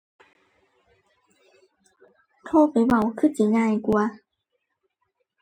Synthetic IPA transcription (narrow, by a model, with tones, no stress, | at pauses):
t̪ʰoː˥˩pa˨˧˦jwa˨˩wkʰɯ˥˨t͡ɕi˨˦ŋaː˧jku˧a˧